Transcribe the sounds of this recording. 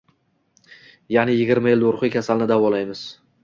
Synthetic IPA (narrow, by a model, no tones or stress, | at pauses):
janɪjɪɡʲɪɾmajɪld̪oɾχɨjkʲʰasalnɪd̪avɒlajmɪz̥